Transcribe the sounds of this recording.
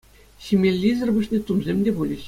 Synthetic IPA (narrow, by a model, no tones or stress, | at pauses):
ɕimʲelʲːizʲɘ̆rbɯ̆ɕnʲet̪umzʲemʲdʲebulʲi